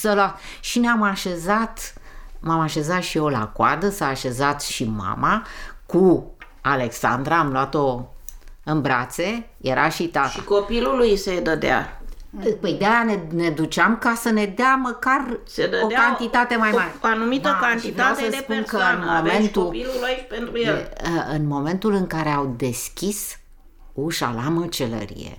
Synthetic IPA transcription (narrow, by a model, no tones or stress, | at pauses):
səloat̪ʃineamaʃe̞zat̪mamaʃe̞zat̪ʃio̞la̰kwa̰d̪əsaːʃe̞zat̪ʃima̰maku | ale̞ksa̰nd̪ɾaːmloat̪o̞ | ɨnbɾat̪se̞ | je̞ɾaʃit̪at̪ʃaḭkopilulujsed̪əd̪ea̰ | pəjd̪ejanene̞d̪ut͡ʃamkasəne̞d̪eaməkarsed̪ədokant̪it̪at̪e̞majmaɾeoanumidt̪əakant̪ivasesəsd̪epunkənmovent̪uopilulopent̪ɾujeeɨnmo̞me̞nt̪ulɨŋkaɾe̞awd̪e̞skʲis | uʃa̰lamət͡ʃe̞lə̰ɾḭjḛ